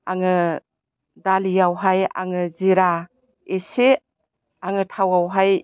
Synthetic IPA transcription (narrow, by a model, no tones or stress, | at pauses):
aŋɯ | dalijawɦaja̰ŋɯziɾa | ese | aŋɯtʰawawɦaj